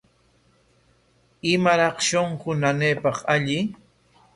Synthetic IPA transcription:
ɪmaɾɑχʃoɴqʊnaneːpɑqaʎɪ

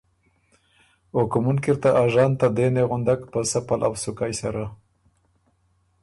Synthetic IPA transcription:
okmunkiɾt̪aʔaʒɑnt̪ad̪eneɣʊnd̪akpəsapalʔa̰wsʊkajsaɾa

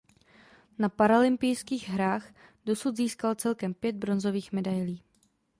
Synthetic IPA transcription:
napaɾalɪmpɪjskiːɣɦɾaːxdo̞sud̪ziːskalt͡sɛlkɛmpjɛd̪̚bɾo̞nzo̞viːxmɛdajliː

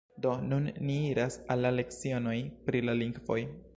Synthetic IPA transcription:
do̞nunːiiɾasalːale̞kt͡sio̞no̞jpɾilaliŋɡvo̞j

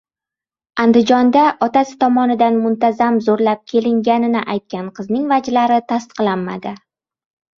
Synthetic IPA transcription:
and̪ɪd͡ʒɒnd̪aʔɒt̪asɪ̥t̪ʰɒmɒnɪd̪anmʊnt̪azamzoɾlap̚kʲʰe̞lɪŋɡʲanɪnɪʔajt̪̚kʲanqʰɨznɪŋvad͡ʒlaɾɪt̪ʰast̪ɨ̥qlˠanma̰d̪ɪ

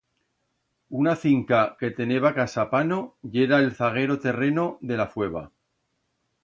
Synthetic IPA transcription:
unaθiŋkake̞t̪e̞ne̞βakasapano̞ʎe̞ɾaelθaɣ̞e̞ɾo̞t̪e̞re̞no̞ðe̞lafwe̞β̞a̰

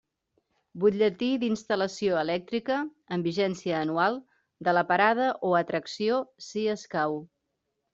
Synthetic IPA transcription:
buʎət̪id̪inst̪ələsioəlɛk̚t̪ɾikəː | mbiʒɛnsiəːnualˠ | d̪ələpəɾað̞əʔoət̪ɾəksiosiəskaw

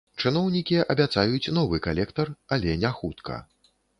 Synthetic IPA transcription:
t͡ʂɨnɔwnʲikʲiʔɐ̰bʲat̪sajut͡sʲnɔvɨkalʲɛkt̪ɐralʲɛnʲaxut̪kʰɐ̰

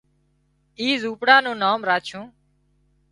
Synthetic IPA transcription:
iːzuːpɽãːnũːnaːmɾaːt͡ʃʰũː

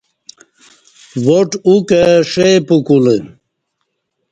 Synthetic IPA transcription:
woʈukeʂepukule

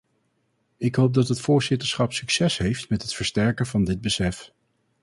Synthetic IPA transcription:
ɪkɦowp̚dɑtɦətfʊːɹzɪtəɹsχɑpsɵksɛsɦejftmɛtɦətfəɹstɛɹkənvɑndɪd̚bəsɛf

